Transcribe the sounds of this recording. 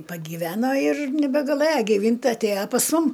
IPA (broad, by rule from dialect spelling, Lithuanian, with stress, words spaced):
pɐɡʲiːˈʋʲæːnoː ɪr nʲɛbʲɛɡɐˈlˠɘjɛ ɡʲɪˈʋʲiːnʲtʲ ˈtɐɪ ɐtʲˈeːjɛ pɐs ˈmʊm